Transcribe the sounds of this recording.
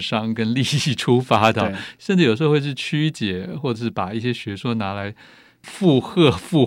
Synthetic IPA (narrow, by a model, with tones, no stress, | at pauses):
ʂɑ˥ŋkə˥nli˥˧i˥˩ʈ͡ʂʰu˥fa˥d̪ə˨ʂə˥˧ʈ͡ʂɻ̩˥˩jʂ̩˧˥˧wʂɻ̩˥˩t͡ɕʰy˥t͡ɕjɛ˨˩xwɔ˥˩ʈ͡ʂɤ˨˩ʂɻ̩˥˩pa˨˩i˥˩ɕjɛ˥ɕɥɛ˧˥swɔ˥˩na˧˥la˧˥ɪ | fu˥˧xɤ˥˧fu˥˧